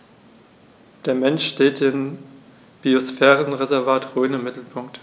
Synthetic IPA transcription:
d̥eːɐmɛnʃʃteːt̚d̥ɪm | b̥iosfɛːʁənʁezɛɐvaːtʁøːənɪmːɪtl̩pʰʊŋkt

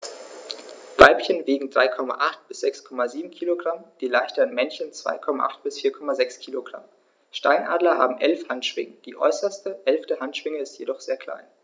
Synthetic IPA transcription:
v̥aɪpçənveːɡŋ̩d̥ʁaɪkʰɔma̰ʔaχt̚b̥ɪsz̥ɛkskʰɔmaziːbm̩kʰiːloɡʁamd̥iːlaɪçtəʁənmɛnçənt͡sv̥a̰ɪkʰɔma̰ʔa̰χtb̥ɪsfiːɐkʰɔmazɛkskʰiːloɡ̥ʁa̰m | ʃta̰ɪnʔa̰ːdlɐha̰ːbm̩ʔɛlfhantʃv̥ɪ̰ŋəd̥iːʔɔ̰ʏsɐstəʔɛlftəhantʃv̥ɪŋəɪstjedɔχz̥eːɐkʰl̥a̰ɪn

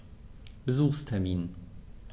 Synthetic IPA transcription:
b̥əzuːχstʰɛɐmiːn

